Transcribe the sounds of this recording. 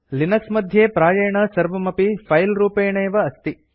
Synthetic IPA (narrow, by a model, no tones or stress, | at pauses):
linɐksmɐd̪ʱjeːpɾaːjɐjɐɳɐsɐɾʋɐmɐpipʰɐjlɾuːpeːɳeːʋɐːst̪i